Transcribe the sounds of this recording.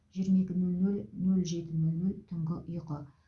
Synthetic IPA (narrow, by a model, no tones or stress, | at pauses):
ʒijəɾmae̞kʲɪnɵlnɵlnɵlʒe̞t̪ɪnɵlnɵlt̪ʰʊɴʁəʔʊjqə